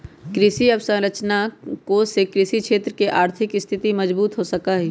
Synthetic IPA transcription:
kɾɪʃiɐbsɐ̃ŋɾət͡ʃnakosekɾɪʃikʃeːt̪ɾəkeʔaːɾt̪ʰɪkɪst̪ʰɪt̪imɐd͡ʒbuːt̪ɦosɐkaɦɛː

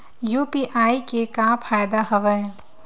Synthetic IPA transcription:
juːpiʔaːikekãːpʰaːjd̪aɦɐʋə

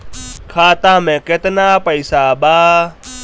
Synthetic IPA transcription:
kʰaːt̪aːmẽːket̪naːpəjsaːɓaː

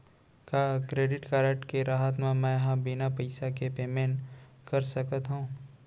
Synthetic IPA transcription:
kaːkɾeːɖɪʈkaːɾəʈkeɾaːɦət̪̬mẽmɛ̃ːɦãbɪnapɐɪsakepeːmẽːɳʈ | kɐɾsɐkət̪ɦũː

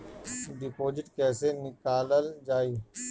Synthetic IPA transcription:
ɖɪpoːd͡ʒɪʈkɛːsenɪkaːləld͡ʒaːiː

